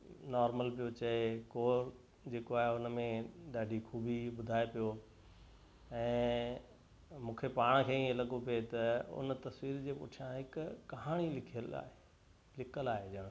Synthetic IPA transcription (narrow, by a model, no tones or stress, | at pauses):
nɔːɾməlpijot͡ɕɐekoːɾ | d͡ʑeːkoaːɦeʊnmẽɗaːɖʱikʰuːbʱiɓʊd̪ʱaːepijo | ɛ̃ː | mũːkʰepaːɽ̃kʰeːĩẽlɐɠopet̪ɐʊ̰nt̪ɐsʋiːɾd͡ʑeːpʊ̰ʈʰijãɦɪkʊːɐɦaːɽ̃ilɪkʰijəla̰ːe | lɪkʰəlaːɦed͡ʑɐɽ̃